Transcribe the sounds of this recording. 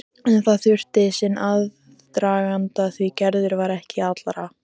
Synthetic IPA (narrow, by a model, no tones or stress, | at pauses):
ɛnθaðθʏr̥t̪ɪsɪnʔað | t̪ɾaːɣant̪aðθvicɛɾðʏɾvaɾɛhcɪat̪lɾa